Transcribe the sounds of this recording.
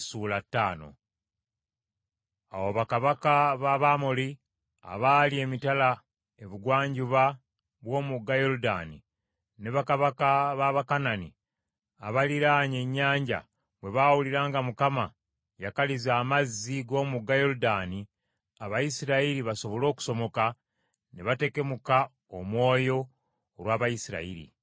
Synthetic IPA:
suːlatːaːno̞̰ | a̰woβakaβakaβaβamoli | a̰βalie̞mitala | e̞βuɡwaːɲɟuβa | βwo̞ːmuɡːajo̞ɾuda̰nḭ | neβakaβakaβaβakananḭ | a̰βaliɾaːɲe̞ɲːaːɲɟa̰ | βwe̞βawuliɾaːŋɡamukama | jakalizaːmazːiɡo̞ːmuɡːajo̞ɾudaːni | aβajisiɾaiɾiβaso̞βo̞lo̞ːku̥so̞mo̞ka | neβate̞ke̞muka | omwo̞ːjo̞ː | ɾwaːβajisiɾa̰ḭɾḭ

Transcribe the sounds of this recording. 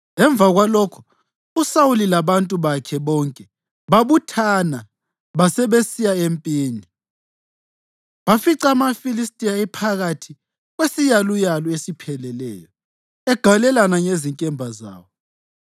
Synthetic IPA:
ɛɱb̪vʱaɣwalɔkʰɔ̥ | usawulilaβantʼuβakʰɛβɔŋkʼɛ | βaβutʰana | βasɛβesijaempʼiːni | βafiǀamafilistʼiaɛpʰaɣatʰi | ɣwesijalujalɔesipʰɛlɛlɛ̰ːjɔ | ɛɡ̥ʱalɛlanaŋeziŋkʼɛmbʱaza̰ːwɔ

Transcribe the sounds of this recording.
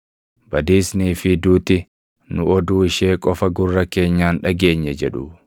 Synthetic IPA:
bɐd̪iːsniːfɪd̪uːt̪ɪ | nʊɔd̪uːɪʃeːkʼɔfɐɡʊrːɐke̞ːɲːaːnᶑɐɡe̞ːɲːɛd͡ʒɛᶑʊ

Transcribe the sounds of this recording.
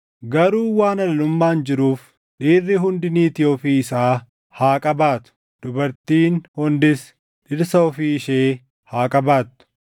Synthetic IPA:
ɡɐɾuːwaːnɐlɐlʊmːaːnd͡ʒɪɾuːf | ᶑiːrːɪɦʊnd̪ɪniːt̪ɪjofiːɪsaː | haːkʼɐbaːt̪ʊ̥ | d̪̥ʊbɐɾt̪iːnhʊnd̪ɪs | ᶑɪɾsɐɔfiːɪʃeː | haːkʼɐbaːt̪ːʊ̥

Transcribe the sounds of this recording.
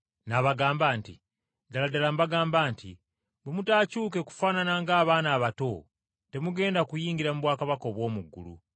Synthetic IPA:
naβaɡaːmbaːntḭ | daladalambaɡaːmbaːnti | bwemutaːcuːke̞ku̥faːnanaŋɡaːβaːnaːβato̞ | te̞muɡe̞ːndakujiːŋɡiɾamuβwaːkaβako̞ːβwo̞ːmuɡːṵlṵ

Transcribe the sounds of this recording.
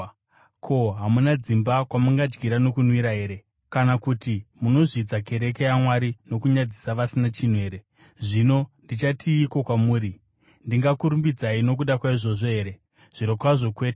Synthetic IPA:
kʰo̞ɦamunad͡zimbakwamuŋɡad͡ʒɡiɾano̞kunwiɾaɦe̞ːɾe̞ | kanakutimuno̞ʐid͡zake̞ɾe̞kejamwaɾino̞kuɲad͡zisaʋasinat͡ʃin̤ue̞ːɾe̞ | ʐino̞ndit͡ʃatʰiːko̞kwamuːɾi | ndiŋɡakuɾumbid͡zaino̞k̬uɗakwaiʐo̞ʐo̞ɦe̞ːɾe̞ | ʐ̥iɾokwaʐo̞kwe̞ːte

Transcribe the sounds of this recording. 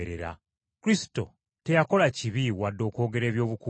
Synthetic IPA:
eɾḛɾa̰ | kuɾisi̥to̞̰ | te̞jako̞laciβiwadːo̞ːko̞ːɡe̞ɾe̞ːβjo̞ːβuku

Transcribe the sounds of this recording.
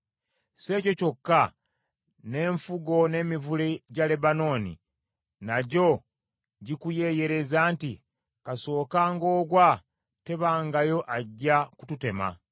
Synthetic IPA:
se̞ːco̞co̞kːa | ne̞ːɱfuɡo̞ne̞ːmivuleɟale̞bano̞ːnḭ | naɟo̞ | ɟikuje̞ːje̞ɾe̞zaːnti | kaso̞ːkaːŋɡo̞ːɡwa | te̞βaːŋɡajo̞ʔaɟːaku̥tute̞ma̰

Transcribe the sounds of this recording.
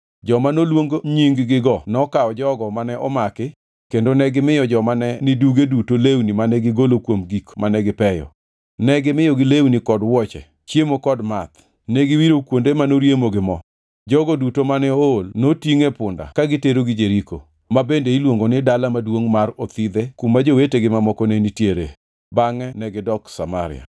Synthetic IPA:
d͡ʒɔmanolwoŋɡoɲiŋɡɡɪɡɔnɔkaɔd͡ʒɔɡɔmanɛʔɔmakɪ | kendonɛɡɪmɪjɔd͡ʒɔmanɛnɪduɡedutolewnimanɛɡɪɡolokwomɡikmanɛɡɪpɛjɔ̰ | nɛɡɪmɪjoɡɪlewnikɔdwɔt͡ʃɛ̰ | t͡ʃjemokɔdmat̪ | nɛɡɪwiɾokwondemanoɾjemoɡɪmɔ | d͡ʒɔɡodutomanɛolnotiŋepʊnda̰kaɡɪteɾoɡɪd͡ʒeɾiko̰ | mabendeilwoŋɡonɪdalamadwoŋmaɾot̪id̪ekumːad͡ʒoweteɡɪmamɔkɔnenitjeɾe | baŋɛnɛɡɪdɔksamaɾɪ̰a̰

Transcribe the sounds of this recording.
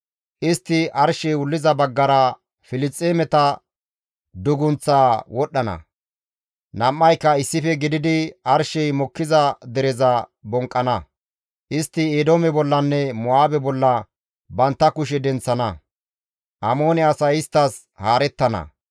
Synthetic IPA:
ʔɪst̪ːɪʔɐɾʃɛjwʊlːɪzɐbɐɡːɐɾɐ | fɪlɪt͡sʼːeːmɛt̪ɐ | d̪ʊɡʊnt͡sːaːwɔɗːɐnɐ̰ | nɐmːɐjkːɐɪsːɪfɛɡɪd̪ɪd̪ɪɐɾʃɛjmɔkːɪzɐd̪ɛɾɛzɐbɔŋkʼːɐnɐ | ʔɪst̪ːɪeːd̪oːmɛbɔlːɐnːɛmʊaːbɛbɔlːɐ | bɐnt̪ːɐkʊʃ̬ɛd̪ɛnt͡sːɐnɐ | ʔɐmo̞ːnɛasɐjɪst̪ːɐs | haːɾɛt̪ːɐnɐ̰

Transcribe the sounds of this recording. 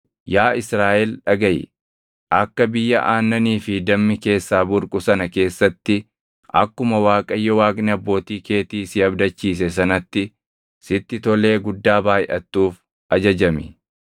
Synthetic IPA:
jaːɪsɾaːʔɛlᶑɐɡɐjɪ̰ | ʔɐkːɐbɪjːɐʔaːnːɐniːfɪd̪ɐmːɪke̞ːsːaːbʊɾkʼʊsɐnɐke̞ːsːɐt̪ːɪ | ʔɐ̰kːʊmɐwaːkʼɐjːɛwaːkʼnɪɐbːo̞ːt̪iːke̞ːt̪iːsɪɐbd̪ɐt͡ʃːiːs̬ɛs̬ɐnɐt̪ːɪ | sɪt̪ːɪt̪ɔle̞ːɡʊd̪ːaːbaːjʔɐ̰t̪ːuːf | ɐd͡ʒɐd͡ʒɐmɪ

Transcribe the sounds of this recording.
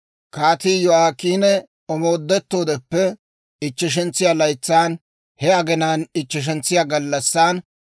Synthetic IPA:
kaːt̪iːjɔaːkːiːnɛ | ɔmo̞ːd̪ːɛt̪ːo̞ːd̪ɛpːɛ | ɪt͡ʃːɪʃ̬ɛnt͡sːɪjaːlɐjt͡sːaːn | hɛɐɡɛnaːnɪt͡ʃːɪʃ̬ɛnt͡sːɪjaːɡɐlːɐsːaːn

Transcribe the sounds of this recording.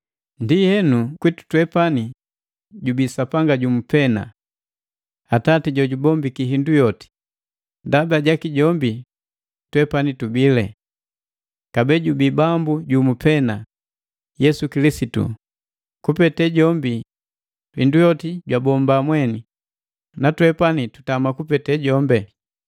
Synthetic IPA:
ndihɛnukwitu̥twɛpani | ɟubisapaŋɡaɟumupɛna̰ | atatiɟɔɟubɔmbikiɦindujɔti̥ | ndabaɟakiɟɔmbi | twɛpanitubilɛ | kabɛɟubibambuɟumupɛna | jɛsukilisitṵ | kupɛtɛɟɔmbi | indujɔtiɟwabɔmbamwɛni | natwɛpanitu̥tamakupɛtɛɟɔmbɛ

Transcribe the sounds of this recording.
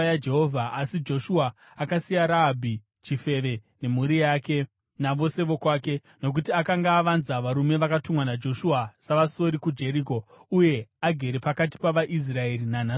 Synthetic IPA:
jad͡ʒe̞ɦovʱaasid͡ʒo̞ʃuaː | kasijaɾaːbʱi | t͡ʃife̞ʋe̞ | ne̞muɾijaːke̞ | naʋo̞se̞ʋo̞kwaːke̞ | no̞k̬utiakaŋɡaːʋanzaʋaɾume̞ʋakatumwanad͡ʒo̞ʃuasaʋaso̞ɾikud͡ʒe̞ɾiko̞uje̞aɡʱe̞ɾe̞pakati̥paʋaʔis̬rae̞ɾinana

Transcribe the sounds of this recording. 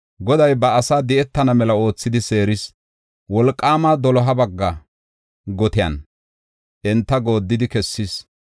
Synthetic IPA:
ɡɔd̪ɐjbɐɐsaːd̪ɛʔɛt̪ːɐnɐmɛlɐo̞ːt͡sːɪd̪ɪse̞ːɾɪs | wɔlkʼːaːmad̪ɔlɔɦɐbɐɡːɐ | ɡɔt̪ɪjɐ̰n | ʔɛnt̪ːɐɡo̞ːd̪ːɪd̪ɪkɛsːis

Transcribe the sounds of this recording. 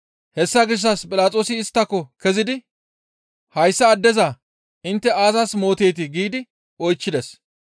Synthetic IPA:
hɛsːɐɡɪʃ̬ːɐspʼɪlaːt͡sʼo̞ːsɪːst̪ːɐkːɔkɛzɪd̪ɪ | hɐjsːɐːd̪ːɛzɐ | ɪnt̪ːɛaːzɐsmo̞ːt̪e̞ːt̪ɪɡiːd̪ɪ | ɔjt͡ʃːɪd̪ɛs

